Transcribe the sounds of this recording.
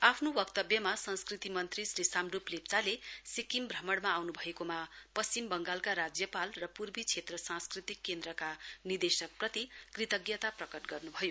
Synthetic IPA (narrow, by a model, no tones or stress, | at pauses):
apʰnobʌkt̪ʌbjʌmasʌ̃nskrit̪imʌnt̪risrisamɖuplept͡salesikimbrʌmʌɽmaːwnubʱʌekomapʌst͡ɕimbʌŋɡalkaɾad͡zjʌpalrʌpurbit͡sʰet̪rʌsãnskrit̪ikːend̪ɾʌkanird̪esʌk̚prʌt̪ikrit̪ʌɡjʌt̪aprʌkʌʈɡʌrnubʱʌjo